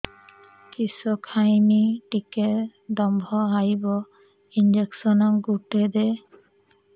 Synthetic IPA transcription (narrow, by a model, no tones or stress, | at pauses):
kisɔkʰajniʈiked̪ɔmbʱɔɦajbɔ | ind͡ʒeksɔnɔɡuʈɛd̪ɛ